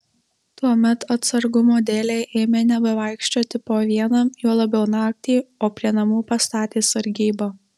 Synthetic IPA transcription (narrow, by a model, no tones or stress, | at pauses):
t̪uɔmʲɛt̪ɐt̪sɐɾɡʊmoːd̪ʲeːlʲeːʔeːmʲeːnʲɛbɐʋɑˑɪkʃʲt͡ʃʲoːt̪ʲɪpoːʋʲiɛnɐjuːlˠɐbʲɛʊnɑːk̚t̪ʲiːoːpʲɾʲiɛnɐmuːpɐst̪ɑːt̪ʲeːsɐɾʲɡʲiːboː